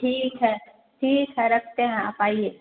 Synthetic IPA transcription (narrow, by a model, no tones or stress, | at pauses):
ʈʰiːkɦɛː | ʈʰiːkɦɛɾɐkʰt̪eɦɛ̃ɐpaːieː